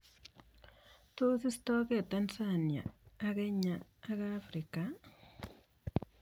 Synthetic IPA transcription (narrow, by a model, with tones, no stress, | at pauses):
to˦si˦si̥to˦ɣe˨tansanja̰ː˨ɣe˦ɲaː˨˦ɣafɾika